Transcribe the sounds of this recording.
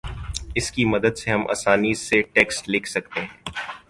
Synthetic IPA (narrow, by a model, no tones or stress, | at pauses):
ɪskimɐd̪əd̪seɦɐmʔa̰ːsaːniseʈeːksʈleːkʰsɐkt̪eɦɛ̃ː